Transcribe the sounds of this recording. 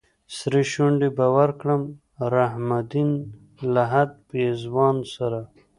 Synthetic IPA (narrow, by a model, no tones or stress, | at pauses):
sɾiɕuɳɖibawaɾkɽəm | ɾaɦmad̪in | laɦad̪̚peːzwɑːnsaɾa